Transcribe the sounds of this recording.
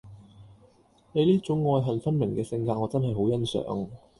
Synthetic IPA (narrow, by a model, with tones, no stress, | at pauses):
ne˨˧jliː˥t͡sʊ˨˥ŋːɔː˧jɦɐ˨nfɐ˥nmɪ˨˩ŋkɛː˧sɪ˧ŋkaː˧ŋɔː˨˧t͡sɐ˥nɦɐ˨jɦo˨˥wjɐ˥nsœ̰ː˨˧˥ŋ